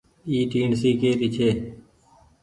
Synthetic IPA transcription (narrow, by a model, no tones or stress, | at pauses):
iːʈiːɳsiːkeːt̪iːt͡ʃʰeː